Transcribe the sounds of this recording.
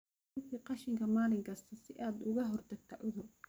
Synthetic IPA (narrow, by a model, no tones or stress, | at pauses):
k̪ʰiːqɑʃɪŋkʰɐmaːlɪŋkʰɐst̪ʰɐsɪʔaːd̪ʊɣɐɦɔrt̪ʰɐɡ̚t̪ʰɐʕʊðʊ